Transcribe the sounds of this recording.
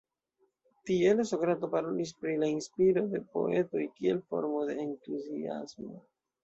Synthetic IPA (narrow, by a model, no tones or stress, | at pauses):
tie̞lasokɾato̞paɾo̞lis̬pɾilainspiɾo̞de̞po̞̰e̞to̞jkie̞lfo̞̰ɾmo̞de̞ːntuzḭa̰smo̰